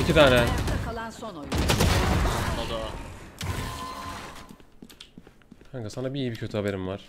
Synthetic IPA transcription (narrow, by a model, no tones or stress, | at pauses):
icʰit̪ʰaːnɛakalˠansonoj | ad̪a | haŋkasanabiiːjibicʰøt̪ʰyhabe̞ɾimvaɾ̥